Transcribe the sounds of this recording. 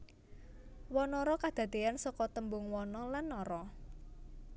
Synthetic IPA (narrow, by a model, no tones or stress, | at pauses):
wɔnɔɾɔkad̪̥a̤t̪eansɔkɔt̪əmbʊŋwɔnɔlanːɔɾɔ